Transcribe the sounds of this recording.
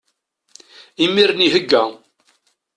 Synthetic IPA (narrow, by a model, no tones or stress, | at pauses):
imiɾniɦəɡːæ